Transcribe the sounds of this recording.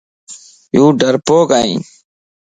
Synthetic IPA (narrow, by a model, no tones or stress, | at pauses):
jũːɖʱəɾpoːkaːḭ̃ː